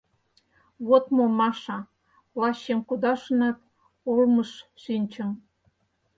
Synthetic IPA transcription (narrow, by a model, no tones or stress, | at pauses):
βot̪momɑʃɑ | lɑɕːemkud̪ɑʃənĕp̪ | olmɤʃːinʲt͡ɕə̆m